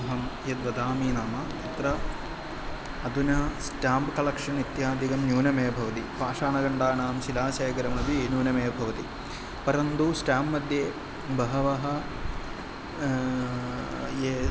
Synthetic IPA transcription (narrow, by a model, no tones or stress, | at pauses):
ɐɦɐmjed̪ʋɐd̪aːmiːnaːmɐt̪it̪ɾɐ | ɐd̪ʱunɐsʈaːmbkɐlɐkʂɐnit̪jaːd̪ʱikɐmnuːnɐmeːbʱɐʋɐt̪ipaːʂaːɳɐɡɐɳɖaːɳaːmʃilaːʃeːɡɐɾɐmnɐbienuːnɐmeːbʱɐʋɐt̪i | pɐɾɐnd̪usʈaːmːɐd̪ʱje | bɐɦɐʋɐɦɐ̆ | je